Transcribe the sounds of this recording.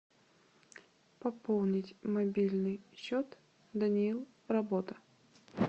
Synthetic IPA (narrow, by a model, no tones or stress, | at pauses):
pɐpolˠnʲɪtʲmɐbʲilʲnɨjɕːot̪ | d̪ənʲɪilˠ | rɐbot̪ə